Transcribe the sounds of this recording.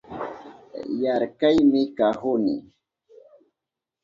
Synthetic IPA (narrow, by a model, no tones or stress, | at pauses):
jaɾkajmɪkahʊnɪ̰